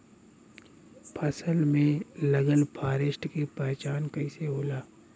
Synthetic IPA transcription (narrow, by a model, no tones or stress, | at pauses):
pʰɐsəlmẽlɐɡəlpʰaːɾɪʃʈkipɛɦt͡ʃaːnkɐiseɦoːlaː